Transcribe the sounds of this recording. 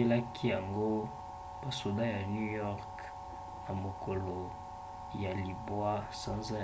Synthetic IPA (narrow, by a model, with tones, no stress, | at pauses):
e˦la˦kʰi˦ja˨ŋɡo˦ | ba˨so˨da˦ja˨nju˦jɔ˦ʁk | na˨mo˨ko˨lo˨ | ja˨li˨bwa˦sã˦nza˦